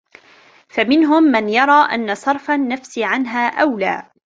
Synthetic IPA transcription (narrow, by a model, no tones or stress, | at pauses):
famɪnɦʊmːanjɑɾˤɑːʔa̰nːasˤɑɾˤfanːafsʕanɦaːʔawla̰ː